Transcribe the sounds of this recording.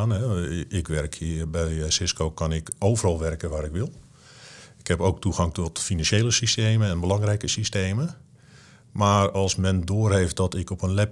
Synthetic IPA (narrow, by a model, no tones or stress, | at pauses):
anɦɛɪkʋɛrkʰibɛjsɪskoːkanɪkoːvərɔlˠʋɛrkəʋaɾɪkʋɪlˠ | ɪkhɛpowk̚tuɣaŋtɔtfinanʃjejləsisteːməɛnbəlɑŋrɛjkəsisteːmə | maːrɔlˠsmɛndoːrhejft̚dɔtɪkɔpənlɛp